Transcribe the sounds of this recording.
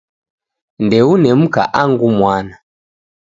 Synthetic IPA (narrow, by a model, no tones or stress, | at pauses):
ndɛunɛm̩ka̰ʔaŋɡumwana